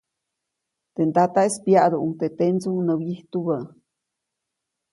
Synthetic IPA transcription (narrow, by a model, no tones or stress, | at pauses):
t̪end̪at̪aespjaʔd̪oʔuŋt̪et̪ent͡suŋnəwjiht̪uβə